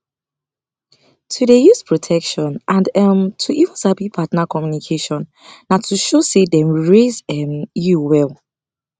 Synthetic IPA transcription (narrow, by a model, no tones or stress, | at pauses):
tʰudejuspʰɹɔtʰɛkʃɔ̃nʔãndɛmtʰuʔiṽnsabipʰatnakʰɔmjunikʰeʃɔ̃nː | atʰuʃosedɛ̃mɹezɛmjuwɛl